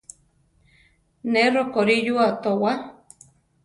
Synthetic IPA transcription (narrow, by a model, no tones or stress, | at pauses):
nerokoɾijuat̪owa